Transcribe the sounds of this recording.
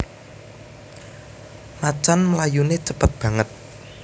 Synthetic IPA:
mat͡ʃanməlajunet͡ʃəpət̪̚b̥ä̤ŋət̪̚

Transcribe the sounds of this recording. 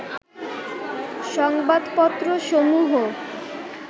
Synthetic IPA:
ʃɔŋbad̪pɔt̪ːɾoʃomuɦo

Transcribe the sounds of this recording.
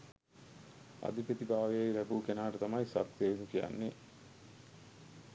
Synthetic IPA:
a̰d̪ipət̪ibaːʋejejlæbuːkenaːʈət̪amajsat̪keinukija̰nːe

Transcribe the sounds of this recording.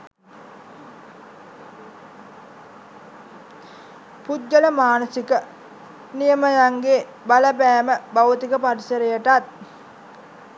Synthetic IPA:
pud͡ʒːələmaːnəsikə | nijəməjaŋɡe | baləpæːməbaʋət̪ikəpaɾisəɾejəʈat̪̚

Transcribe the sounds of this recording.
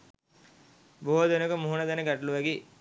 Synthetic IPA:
boɦod̪enəkəmuɦunad̪ænəɡæʈluʋæɡe

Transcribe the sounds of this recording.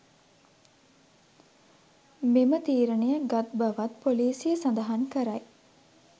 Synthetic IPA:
memət̪iːɾənejəɡat̪̚bɐʋat̪poliːsijəsand̪əɦaŋkəɾaj

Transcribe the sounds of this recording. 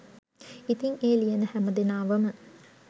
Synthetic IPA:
it̪iŋeːlijɐnəhæməd̪enaːʋəmə

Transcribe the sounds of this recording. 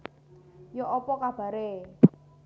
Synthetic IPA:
jɔʔɔpɔkab̥a̤ɾe

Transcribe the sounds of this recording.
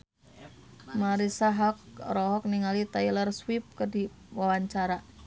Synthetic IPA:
maɾisaɦak̚rɔɦɔk̚niŋalit̪ailərswip̚kərdi | wawaɲt͡ʃaɾa

